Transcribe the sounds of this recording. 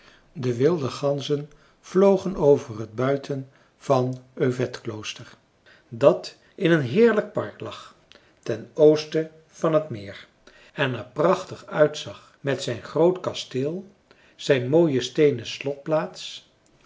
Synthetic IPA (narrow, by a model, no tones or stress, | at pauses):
dəʋɪlˠdəχɑnzən | v̥lowχənowvərɦəd̚bœɥtʰən | v̥ɑnøɥvɛtklowstəɹ | dɑt | ɪnənɦɪːɹlək̚pɑɹklɑχ | tɛnowstə | v̥ɑnɦətmɪːɹ | ɛnaɹprɑχtəχœɥtsɑχ | mɛtsɛjnχrowtkɑstɪːlˠ | z̥ɛjnmoːjəstejnəslɔt̚plaːts